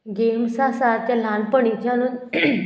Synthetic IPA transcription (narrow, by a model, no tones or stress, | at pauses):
ɡemsasat̪jalãnpəɳit͡ɕanuːn